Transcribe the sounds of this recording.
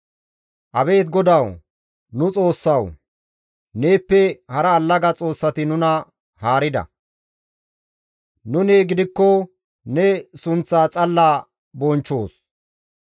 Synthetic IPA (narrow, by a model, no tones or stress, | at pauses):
ʔɐbe̞ːt̪ɡɔd̪ɐw | nʊt͡sʼo̞ːsːɐw | ne̞ːpːɛhɐɾɐːlːɐɡɐt͡sʼo̞ːsːɐt̪ɪnʊnɐ | haːɾɪd̪ɐ̰ | nʊneːɡɪd̪ɪkːɔ | nɛsʊnt͡saːt͡sʼɐlːaː | bɔnt͡ʃːo̞ːs